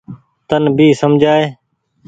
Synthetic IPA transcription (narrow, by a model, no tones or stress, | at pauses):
t̪ənbʱiːsəmd͡ʒʱaːeː